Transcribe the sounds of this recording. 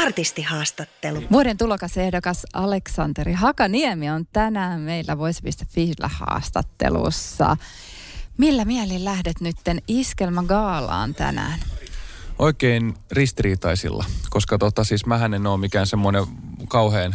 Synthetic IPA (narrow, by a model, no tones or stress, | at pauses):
ɑrt̪ist̪ihɑːst̪ɑt̪ːeluʋuoɾent̪ulokɑsehdokɑsɑleksɑnt̪eɾiɦɑkɑniemiont̪ænæːmmeilːæʋoispist̪æfʋilːæ̰hɑ̰ːst̪ɑt̪ːḛlṵsːɑ̰ | milːæmielillæhdet̪nyt̪ːeniskelmæɡɑːlɑ̰ːnt̪æ̰næ̰ːn | oikeinrist̪iriːt̪ɑisḭlːɑ̰koskɑt̪ot̪ːɑsiːsmæɦænenoːmikæːnsemːonekɑuheːn